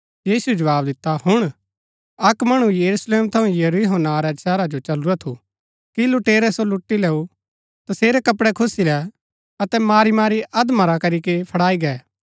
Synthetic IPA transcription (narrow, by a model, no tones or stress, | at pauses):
jiːsuɛd͡ʒɐʋaːbd̪ɪt̪ːaɦʊɽ̃ | ɐkmɐɽ̃ujɐɾusleːmt̪ʰɐ̃ũjɐɾiɦoːnaɾɛsɛːɾad͡ʒot͡ʃɐluɾat̪ʰu | kilʊʈeːɾɛsolʊʈːilɛːu | t̪ɐseːɾɛkɐpɽɛkʰʊsilɛ | ɐt̪ɛmaːɾimaːɾiʔɐd̪maɾakɐɾikepʰɐɽaːiɡɛː